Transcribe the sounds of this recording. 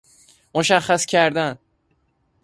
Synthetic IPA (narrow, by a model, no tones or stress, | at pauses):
moʃæχːæscʰæɾd̪æn